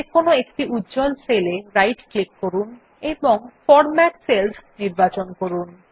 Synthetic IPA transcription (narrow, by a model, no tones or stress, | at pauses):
ekonoek̚ʈiʔudːd͡ʑɔlseleɾajʈklikːoɾun | eboŋfɔɾmɛʈselsniɾbat͡ɕonkoɾun